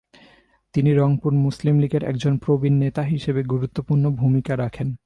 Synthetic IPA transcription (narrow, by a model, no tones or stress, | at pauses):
t̪iniɾɔŋpuɾmuslimliɡeɾɛ̰kd͡ʑonpɾobinːet̪aɦiʃebeɡuɾut̪ːopuɾnobʱumikaɾakʰen